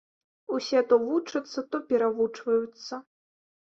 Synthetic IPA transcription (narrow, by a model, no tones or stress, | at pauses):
usʲɛt̪ɔvut͡ʂɐt̪sːɐt̪ɔpʲɛɾavut͡ʂvɐjut̪sːɐ